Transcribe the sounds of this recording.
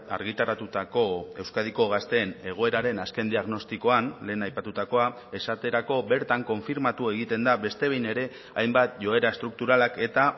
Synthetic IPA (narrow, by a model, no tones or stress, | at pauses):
a̰ɾɣit̪aɾat̪ut̪ako̞e̞wskað̞iko̞ɣ̞ast̪e̞ːne̞ɣ̞o̞e̞ɾaɾe̞naske̞nd̪iaɣno̞st̪iko̞anle̞ːnajpat̪ut̪ako̞a | e̞sat̪e̞ɾako̞be̞ɾt̪aŋko̞ɱfiɾmat̪ue̞ɣ̞it̪e̞nd̪aβe̞st̪e̞β̞e̞jne̞ɾe̞ | ajmbat̪ʝo̞e̞ɾaest̪ɾuk̚t̪uɾalake̞t̪a